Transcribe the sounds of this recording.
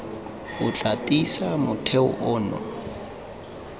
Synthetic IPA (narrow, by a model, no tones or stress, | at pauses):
ʊt͡ɬʼatʼisamʊtʰeʊ̰ʔʊːnɔ̰